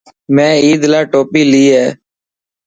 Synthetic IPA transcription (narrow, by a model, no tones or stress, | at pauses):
mɛ̃ːiːd̪laːʈoːpiːliːɦɛː